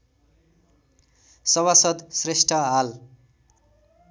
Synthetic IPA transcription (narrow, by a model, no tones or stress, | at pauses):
sʌβasʌd̪sresʈʰʌɦal